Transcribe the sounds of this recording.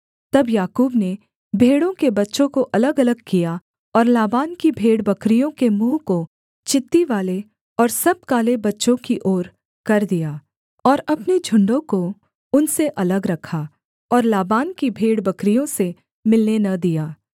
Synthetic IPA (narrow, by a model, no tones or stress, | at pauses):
t̪ɐbjaːkuːbne | bʱeːɽõkebɐtːʃõkoʔɐləɡɐləɡ̚kija | ɔːɾlaːbaːnkibʱeːɽbɐkɾijõkemũːko | t͡ʃɪt̪ːiʋaːle | ɔːɾsɐb̚kaːlebɐtːʃõkiʔoːɾ | kɐɾd̪ijaː | ɔːɾɐpned͡ʒʱʊ̃ɳɖõko | ʊnseʔɐləɡɾɐkʰa | ɔːɾlaːbaːnkibʱeːɽbɐkɾijõse | mɪlnenɐd̪ijaː